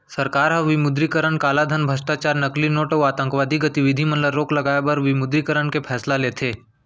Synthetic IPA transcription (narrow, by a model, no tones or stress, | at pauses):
sɐɾkaːɾɦɐ̃ʋɪmʊd̪ɾikəɾənkaːlad̪ʱənbʱəsʈaːt͡ʃaːɾnɐklinoːʈoaːt̪ə̃ŋkʋaːd̪ʱiɡɐt̪iʋɪd̪ʱimə̃nləɾoːklɐɡaːjebɐɾʋɪmʊd̪ɾikəɾənkepʰɛːslaleːt̪ʰeː